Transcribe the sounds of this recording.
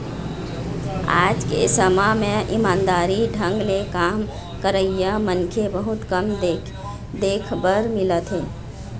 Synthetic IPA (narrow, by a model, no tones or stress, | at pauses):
a̰d͡ʒkḛsəmameʔimaːnd̪aɾiɖʱəŋɡlekam | kəɾəijəmənkʰebəɦut̪kəm | d̪ekʰbəɾmilət̪ɦe